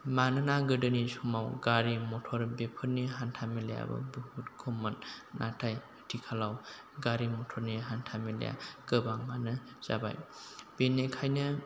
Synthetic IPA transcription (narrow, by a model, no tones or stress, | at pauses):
manɯnaɡɯdɯnisumawɡaɾimɔtʰɔɾbepʰɯɾniɦantʰameleja̰bɯ̰buhut̚kʰɔmanːʔatʰaj | tʰikʰalaw | ɡaɾimɔtʰɔɾniɦantʰamelḛja̰kɯbaŋmanɯ | z̥a̰ba̰jbenekʰajnɯ